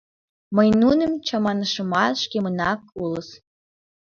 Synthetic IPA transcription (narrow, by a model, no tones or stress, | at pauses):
məjnunə̆mt͡ɕɑmɑnəʃə̆mɑt̪ʃkemənɑkuləs